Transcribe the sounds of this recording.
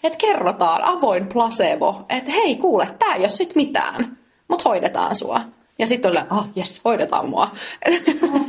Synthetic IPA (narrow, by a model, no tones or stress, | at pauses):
et̪kerːot̪ɑːnʔɑʋoimplɑseːʋo̰et̪heikuːlet̪ːæːjossit̪mit̪æ̰ːn | mut̪hoidet̪ɑ̰ːnsṵɑ̰ | jɑsit̪ːolɑʔɑːjeshoidet̪ɑ̰ːmmuɑe